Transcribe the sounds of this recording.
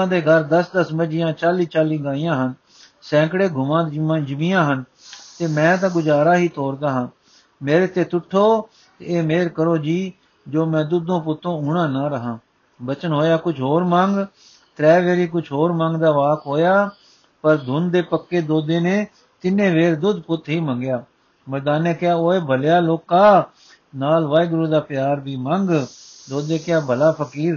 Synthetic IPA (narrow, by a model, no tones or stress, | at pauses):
ãːd̪eːɡəɾd̪əsd̪əsməd͡ʒɪjãːt͡ʃaːliːt͡ʃaːliːɡaːiːãːɦən | sɛ̃ːkɽeːɡʱʊmãːd͡ʒəmiːjãːɦən | t̪eːmɛ̃ːt̪̬ãːɡʊd͡ʒaːɾaːɦiːt̪oːɾd̪aːɦãː | meːɾeːt̪eːt̪ʊʈʰːoː | t̪eeːmeːɾkəɾoːd͡ʒiː | d͡ʒoːmɛ̃ːd̪ʊd̪õːpʊt̪ːõːʊɽãːnãːɾəɦãː | bət͡ʃənɦoːjaːkʊt͡ʃʰɦoːɾmãːŋɡ | t̪ɾɛːʋeːɾiːkʊt͡ʃʰɦoːɾmãːŋɡd̪aːʋaːkɦoːjaː | pəɾd̪ʱʊnd̪eːpəkːeːd̪oːd̪eːnẽː | t̪ɪnːẽːʋeːɾd̪ʊd̪pʊt̪ʰːɦiːmə̃ŋɡjaː | məɾd̪aːnːẽːkɪaːoːeːbʱəljaːloːkaː | naːlʋaːjɡɾũːd̪aːpɪjaːɾbiːmə̃ŋɡ | d̪oːd̪eːkɪaːbəlaːpʰəkiːɾ